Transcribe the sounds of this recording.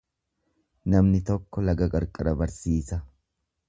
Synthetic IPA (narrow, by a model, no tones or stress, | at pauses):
nɐmnɪt̪ɔkːɔlɐɡɐɡʼɐɾkʼɐd̪ɐbɐɾsiːsɐ